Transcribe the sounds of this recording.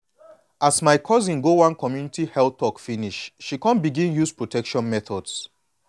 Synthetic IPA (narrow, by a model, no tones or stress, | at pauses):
asmaɪkʰɔzĩnɡowãnkɔmjunitihɛlɔkfiniʃʃikɔ̃nbiɡĩnjuspɹotʰɛkʃɔ̃nmɛθɔds